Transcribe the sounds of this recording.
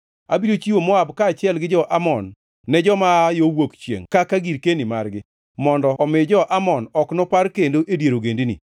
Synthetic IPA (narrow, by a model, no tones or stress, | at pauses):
a̰bidot͡ʃiwomɔabkaːt͡ʃɪɛlɡɪd͡ʒɔʔamɔnː | ɛd͡ʒɔmajowokt͡ʃjḛŋkakaɡiɾkenima̰rɡɪ | mɔndɔːmɪd͡ʒɔʔamɔnɔknopaɾkendoʔedjeɾoɡendinḭ